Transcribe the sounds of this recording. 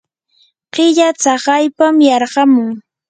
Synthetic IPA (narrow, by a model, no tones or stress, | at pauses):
ɢɪʎat͡sɑɢɑjpamjɑɾɢɑmʊŋ